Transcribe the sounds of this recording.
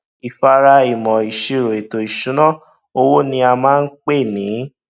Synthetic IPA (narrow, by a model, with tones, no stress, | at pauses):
i˨fa˧ɾa˧i˨mɔ̃˨i˨ʃi˨˧ɾo˨e˨to˨i˨ʃũ˨˦nã˦˨ | o˧wo˦nĩ˧a˧mãː˦n̩˦k͡pe˦˨nĩ˨˦